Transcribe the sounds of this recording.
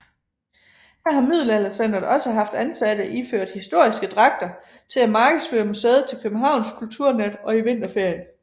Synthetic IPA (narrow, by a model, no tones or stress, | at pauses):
hæɐhɑ̈mið̞̰ˠl̩æleɡ̥sænd̥ɐɒ̽lsəɦɑ̈fd̥ænsæd̥əʔiføɐ̰d̥hisd̥o̝ɐ̰isɡ̥əd̥ʁɑ̈ɡ̥̚d̥ɐ | t͡sʰe̝læmɑ̈ːɡ̥əð̩ˠsføːɐmuseːð̞̩ˠt͡sʰe̝lkʰøb̥n̩ɦɑ̈ʊ̰nskʰult͡sʰuɐ̰næd̥ɒ̽iʋe̝n̰d̥ɐfeɐ̰jən